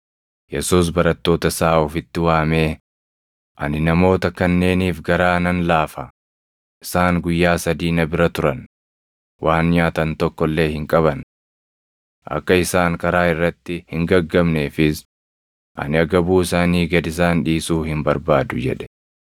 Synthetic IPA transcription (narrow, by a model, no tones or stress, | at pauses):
jɛsuːs̬bɐɾɐt̪ːo̞ːt̪ɐsaːɔfɪt̪ːɪwaːme̞ː | ʔɐ̰nɪnɐmo̞ːt̪ɐkɐnːe̞ːniːfɡɐɾaːnɐnlaːfɐ | ʔɪsaːŋɡʊjːaːsɐd̪iːnɐbɪɾɐt̪ʊɾɐn | wʔaːnɲaːt̪ɐnt̪ɔkːɔlːe̞ːhɪŋkʼɐβɐn | ʔɐ̰kːɐɪsaːŋkʼɐɾaːɪrːɐt̪ːɪhɪŋɡɐɡːɐmneːfɪs | ʔɐ̰nɪɐɡɐbuːɪsaːniːɡɐd̪ɪs̬aːnᶑiːsuːhɪmbɐɾbaːd̪ʊd͡ʒɛ̰ᶑɛ̥